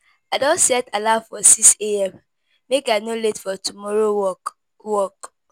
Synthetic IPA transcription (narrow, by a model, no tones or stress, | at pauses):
adɔ̃nsɛtalavfɔsikseɛm | mekanoletfɔtumɔɾo | wɔk